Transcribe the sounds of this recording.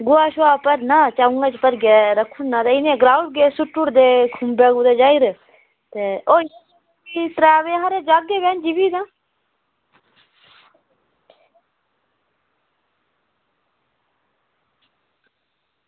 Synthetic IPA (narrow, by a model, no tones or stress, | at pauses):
ɡʊaːʃʊaːpəɾnaːt͡ʃaːũŋɡaːt͡ʃpəɾɡeːɾəkʰːunnãːt̪eːɪnẽːɡɾaːuʈ̚ɡeːsʊʈːuɾd̪eːkʰʊmbɛːɡuːd̪eːd͡ʒaːiɾ | t̪eoːj | it̪ɾaːʋeɦaɾeːd͡ʒaːɡeːbɛːnd͡ʒibiːd̪ãː